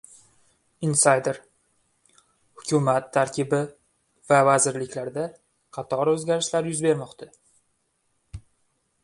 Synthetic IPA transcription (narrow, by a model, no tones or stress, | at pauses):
ɪnsajd̪eɾ | hʊkʲʰʊmat̪ʰːaɾkʲʰɪbɪ | vavazɪɾlɪkʲlaɾd̪a | qʰɑt̪ʰɒɾɵzɡʲaɾɪʃlaɾjʊzbe̞ɾmɒqt̪ʰa